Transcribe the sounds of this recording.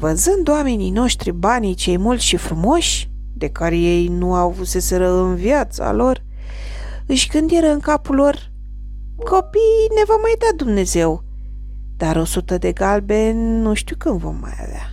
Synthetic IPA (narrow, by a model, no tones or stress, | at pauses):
vəzɨnd̪owamenino̞ʃt̪ɾibanijt͡ʃe̞jmult̪sʃifɾumo̞ʃʲ | d̪e̞kaɾe̞je̞jnuawvuse̞seɾəɨnvjat̪sa̰lo̞r | ɨʃʲɡɨnd̪jeɾəɨŋkapulo̞r | kʰo̞pijne̞vo̞majd̪ad̪umne̞ze̞w | d̪̥aɾo̞sut̪əd̪e̞ɡalbe̞nuʃt̪ukɨnd̪vo̞̰mːa̰ja̰va̰